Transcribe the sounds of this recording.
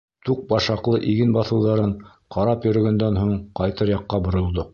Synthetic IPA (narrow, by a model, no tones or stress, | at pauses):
t̪uq̚bɑʃɑqlˠɤʔiɡɘnbɑθɤ̆wðɑɾɤɴ | qɑɾɑpjɵ̆ɾɵ̆ɡænd̪ænɦuɴqɑjt̪ɤɾjɑqːɑbŏɾŏlˠd̪o